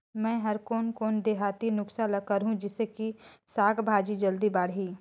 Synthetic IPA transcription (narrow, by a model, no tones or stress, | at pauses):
mɛ̃ːɦɐɾkoːnkoːnd̪eːɦaːt̪inʊksalɐkəɾɦũd͡ʒɪsekisaːkʰbʱaːd͡ʒid͡ʒɐld̪ibaːɽ̤ɦiː